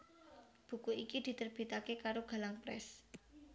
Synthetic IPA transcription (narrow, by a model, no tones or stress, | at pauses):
b̥ṳkuikid̪̥i̤t̪ərb̥i̤t̪akekaɾoɡ̥a̤laŋpɾɛs